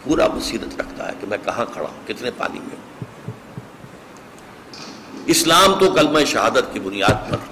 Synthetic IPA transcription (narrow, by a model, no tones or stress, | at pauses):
puːɾa̰mɐsiːɾət̪ɾɐkʰt̪a̰ɦɛ̰ːkemɛ̃kɐɦãkʰɐɽa̰ːɦũːkɪt̪nepa̰ːnḭmḛ̃ɦũː | ɪslaːmt̪okɐlmãʃɐɦaːd̪ət̪kibʊnijaːd̪̚pɐ̰ɾ